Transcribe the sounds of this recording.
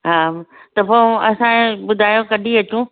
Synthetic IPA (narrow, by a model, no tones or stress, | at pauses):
ɦaːt̪ɐpoɐsãeɓʊd̪ʱaːjõkɐɗʱiɐt͡ɕũː